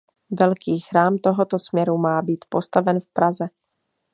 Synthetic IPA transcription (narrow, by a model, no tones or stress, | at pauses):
vɛlkiːxɾaːmt̪o̞ɦot̪osmɲɛɾumaːbiːt̪po̞st̪avɛnfpɾazɛ